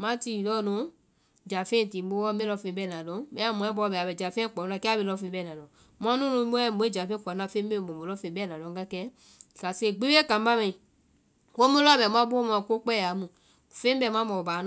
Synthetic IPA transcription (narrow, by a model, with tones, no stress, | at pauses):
mã˦ti˨lɔ˦nũ˨˦ | d͡ʒa˨fẽ˦˨tĩ˨bo˦wɔ˦be˦lɔ˧˦fẽ˧˦bɛ˦˨nã˨lɔ̃˨˦bɛ˦a˦mũ˨˦ɛ̃˦bɔ˧˦bɛ˨bɛ˨d͡ʒa˨fẽ˦k͡pɔ˨u˦nã˧kɛ˦a˦be˧lɔ˧˦fẽ˧˦bɛ˦˨nã˨lɔ̃˨ | mɔ̃˧˦nũ˦nũ˧˦mo˦ɛ˦˨bo˧˦e˦d͡ʒa˨fẽ˦k͡pɔ˨˦nã˧fẽ˦bẽ˦˨bo˨mu˨lɔ˦fẽ˧˨˦bɛ˦˨nã˨lɔ̃˧˦ɡa˧˦kɛ˧˦˨ | ka˨se˦˨ɡ͡bi˦we˦kã˨m˦ba˦mɛ̃˨ĩ˨ | wo˦mũ˦lɔ˦bɛ˨m˦ã˦bo˦mã˧˨ko˦k͡pɛ˦˨a˨˦mũ˨ | fẽ˦m˦bɛ˦˨mã˦mɔ̃˨baː˨˦n